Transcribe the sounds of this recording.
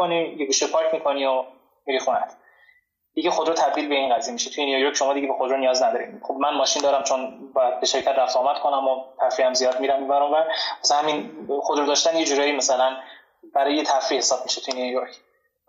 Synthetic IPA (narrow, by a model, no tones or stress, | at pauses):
onijeɡuːʃepʰɒːɾkʰʲmikʰo̞nio | miɾixunæ̰t̪ʰ | d̪̥iɡexod̪ɾɔt̪ʰæb̚d̪iːlbeinɢæzijemiʃet̪ʰujenijojoɾcʰʲʃomɒːd̪iɟebexod̪ɾonijɒːznæd̪ɒːɾḭd̪xobmænmɒːʃind̪ɒːɾæmt͡ʃʰo̞nbɒːjæd̪̚beʃe̞ɾcʰæt̪ɾæft̪oːmæd̪kʰo̞næmot̪ʰæfɾiæmzijɒːd̪̚miɾæmːibæɾɔmvæɾæsænhæminxod̪ɾod̪ɒːʃt̪ænjed͡ʒuːɾɒːjimæsælæn | b̥æɾɒːjet̪ʰæfɾihe̞sɒːb̚miʃet̪ʰujenijojoɾkʰ